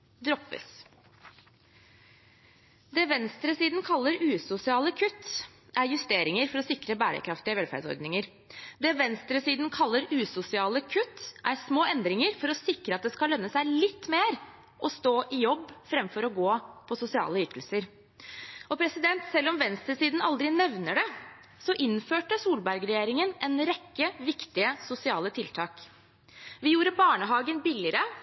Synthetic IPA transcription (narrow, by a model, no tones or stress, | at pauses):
d̪ɾɔpːə̰s | d̪ɛːʋɛnst̪ɾəsiːd̪nkʰɑlːəɾʉːsʊsɪɑːləkʰʉt̪ː | ʔæɾjʉst̪eːɾɪŋəɾfɔɾɔsɪkɾəbæːɾə̰kʰɾɑft̪ɪəʋɛlfæ̰ɾɖsɔ̰ɾd̪nɪŋəɾ | d̪ɛːʋɛnst̪ɾəsiːd̪n̩kʰɑlːəɾʉːsʊsɪɑːləkʰʉt̪ːʔæɾsmoːɛnd̪ɾɪŋəɾfɔɾɔsɪkɾəɑt̪̚d̪ɛskɑlœnːəsæɪlɪt̪ːmeːɾ | ʔɔst̪oːʔɪjɔbːfɾɛmfɔɾɔɡoːpʰɔsʊsɪɑ̰ːləʏt̪ʰəlsəɾ | ɔpʰɾɛsɪd̪ɛnt̪sɛlːɔmʋɛnst̪ɾəsiːd̪n̩ɑld̪ɾɪnɛʋnəɖɛ | sɔʔɪnføːʈəsuːlbæɾɡɾɛjeːɾɪŋənɛnɾɛkːəʋɪkt̪ɪəsʊsɪɑːlət̪ʰɪlt̪ʰɑːk | ʋɪjuːɾəbɑːɳəɦɑːɡənbɪlɪəɾə